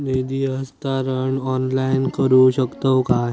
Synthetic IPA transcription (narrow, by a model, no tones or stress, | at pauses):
ned̪iɦəst̪aɾəɳɔːnlaɪnkəɾuɕəkt̪əwkaɦ